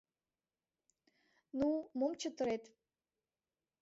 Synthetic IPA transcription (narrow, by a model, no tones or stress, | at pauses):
numomt͡ɕət̪ə̆ɾet̪